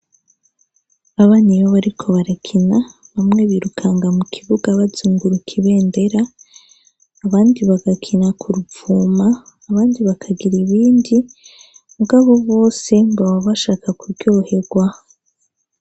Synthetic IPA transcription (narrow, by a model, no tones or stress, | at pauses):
aβanijoβaɾikʰo̞βaɾakʰina | βamŋe̞βiːɾukʰaŋɡamukʰiβuɡaβazuːŋɡuɾukʰiβe̞ːnde̞ɾa | βaːndiβaɡakʰinakʰuɾuvuːmaː | βaːndiβakʰaɡiɾiβiːndi | muɡaːβoβo̞ːse̞mbaβaβaʃaːkakuɾɟoohe̞ɡwa